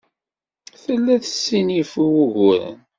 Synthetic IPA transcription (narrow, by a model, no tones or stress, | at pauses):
θəlːæθə̥sːinifuwuɣʊɾə̰n